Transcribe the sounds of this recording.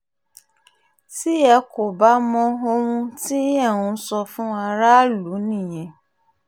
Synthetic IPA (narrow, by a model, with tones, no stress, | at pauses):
ti˦ɛ˧ko˨ba˦mɔ̃˧o˧hũ˧ti˦ɛ˦˨w̃ũ˧˦sɔ˧fũ˦a˧ɾa˦lu˨˦nĩ˦˨j̃ɛ̃˨